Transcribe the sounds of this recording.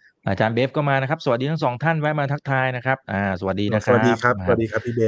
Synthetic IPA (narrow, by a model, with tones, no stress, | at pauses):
ʔaː˧t͡ɕaː˧nbeː˦˥p̚kɔː˥˩maː˧na˦˥kʰa˦˥p̚sa˨a˩diː˧t̪ʰŋsɔː˩˦ŋt̪ʰa˥˩nwaː˦˥˩jmaː˧t̪ʰa˦˥k̚t̪ʰaː˧jna˦˥kʰɾa˦˥p̚ʔaː˧˩sa˨˩a˦˩diː˧na˦˥skʰa˨wa˧˦diː˧kʰa˦˥p̚st̚diː˧kʰa˦˥p̚t̪ʰiː˦˥beː˦˥